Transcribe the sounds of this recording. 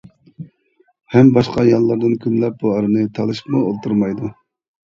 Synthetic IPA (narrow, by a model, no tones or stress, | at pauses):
hɛmbɑʃqɑjɑlˠːɑɾd̪ɨnkʲʰynlɛp̚buɑɾɨnɨt̪ʰɑlˠɨʃɨ̥pmuolˠt̪uɾmɑjd̪u